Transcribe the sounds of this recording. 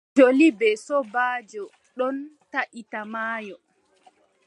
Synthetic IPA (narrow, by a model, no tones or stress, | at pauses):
d͡ʒolibɛsɔbaːd͡ʒɔ | ɗɔntaʔitamaːjɔ